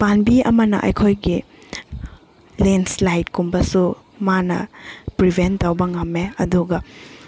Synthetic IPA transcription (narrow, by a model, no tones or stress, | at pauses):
panbiʔɐ̰mɐnɐ̰ʔɐ̰jkʰojɡi | lenslajtkumbɐsu | manɐ̰pɾibʱentːɐwbɐŋɐmːeɐduɡɐ